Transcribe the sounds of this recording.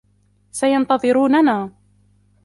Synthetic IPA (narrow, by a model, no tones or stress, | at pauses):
sajɑnt̪ɑðˤɨɾuːnanaː